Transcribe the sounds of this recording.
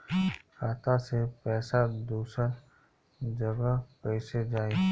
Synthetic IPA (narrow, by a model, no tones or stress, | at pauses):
kaːt̪asepɛːsad̪uːsəɾ | d͡ʒɐɡapɛɪsed͡ʒaːe